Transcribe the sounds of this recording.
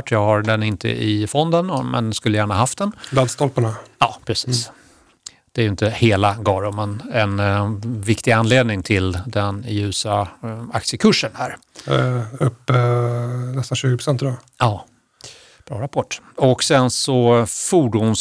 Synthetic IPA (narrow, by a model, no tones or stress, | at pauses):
ʈʰːjɑːɡhaɾɖɛnɪnt̪ʰə̰ʔɪfɔnd̪ənmɛ̰nskɵlːəjæːɳahaɦaft̪̚d̪ɛnlad̪st̪ɔlpaɳaɑːpʰɾɛsiːs | d̪̥ɛæɾjɵɪnt̪əheːlaɡɑːɾʊmənɛnvɪkt̪ɪɡanleːd̪nɪŋt̪ʰɪld̪ɛnjʉ̟ːsaa̰k̚t̪sjəkʰɵʂːənhæːɾ | ɵpː | nɛst̪anɕʉːɡɪpʰɾʊ̥sɛnt̪ːd̪ɔ | ɑː | b̥ɾɑ̰ːɾapʰɔʈːɔksɛnsɔfuːɖuns